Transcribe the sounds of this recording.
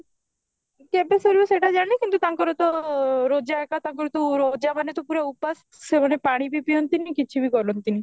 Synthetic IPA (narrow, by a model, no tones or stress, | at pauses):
kɛbesoɾbiseʈad͡ʒaɽ̃ikint̪ut̪aŋkɔɾot̪ɔɾod͡ʒaekat̪aŋkɔɾot̪oɾod͡ʒamanet̪opuɾaupas | semanepaɽ̃ibipijont̪inikit͡ʃʰibiɡɔɾont̪ini